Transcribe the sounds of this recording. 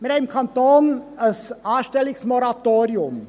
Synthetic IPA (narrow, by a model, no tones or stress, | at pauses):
med̪æɪmkʰɑnt̪oːnəsɑːʃʈɛlɪksmɔɾɑt̪oːɾɪʊm